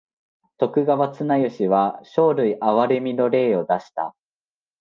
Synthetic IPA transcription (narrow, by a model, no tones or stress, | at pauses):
t̪o̞kɯ̟ɡaβat͡sɨnajɯ̟ɕiβaɕo̞ːɾɯ̟iʔaβaɾe̞mʲino̞ɾe̞ːo̞d̪aɕi̥t̪a̰